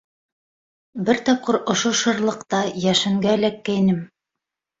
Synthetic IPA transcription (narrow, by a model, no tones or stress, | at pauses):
bɘɾt̪ɑp̚qɤɾŏʃoʃɤ̆ɾlˠɤ̆qt̪ɑjæʃɘ̆ŋɡælækːæjnɘm